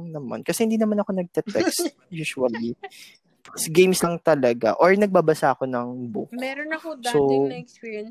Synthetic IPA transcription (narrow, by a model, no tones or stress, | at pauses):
nɐma̰nkɐsɛhɪnd̪iːnɐmanɐko̞nɐɡ̚t̪ɛt̪ɛkst̪ | juːʃuɐli | sɡejmslɐŋt̪ɐlɐɡa̰ʔoɹnɐɡ̚babɐsaʔɐko̞nɐŋbokso